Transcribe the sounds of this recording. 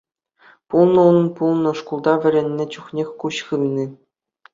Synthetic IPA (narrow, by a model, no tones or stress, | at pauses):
pulˠnɤ̆unnpulˠnɤ̆ʂkulˠd̪ɑʋʲɘ̆ɾʲĕnʲːɘ̆t͡ɕuχnʲexʲkuɕχɯmʲnʲi